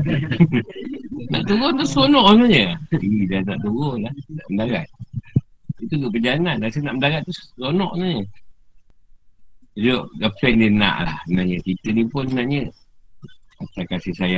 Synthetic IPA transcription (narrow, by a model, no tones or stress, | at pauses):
na̰ʔt̪uɣont̪usonɔʔənaɲəidanaʔt̪uɣɔlahnaʔməndaɡat̪̚ | it̪ud̪uʔpəɲd͡ʒaananasənaʔməndaɣat̪̚t̪ːussonɔʔnaʔɲə | d͡ʒoʔɡafɛndina̰ʔla̰hsənaɲək̪it̪ənipʊnnaʔɲə | at̪akasihsaja